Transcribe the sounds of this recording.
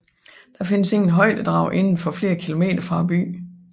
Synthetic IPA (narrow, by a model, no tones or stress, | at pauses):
d̥ɑ̈fe̝nəse̝ŋn̩ɦɒ̽ɪ̰d̥əd̥ʁɑ̈ʊ̰ʔe̝nn̩fɒ̽fle̝ːɐkʰilo̝me̝̰ːd̥ɐfʁɑ̈b̥y̰ː